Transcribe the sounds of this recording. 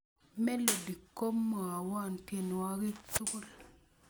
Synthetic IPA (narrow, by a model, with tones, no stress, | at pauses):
me˦lo˨di˨kːo˦mːo˨a˨wa˦˨nte˨n˨wa˦ki˦t͡su˦ku˦l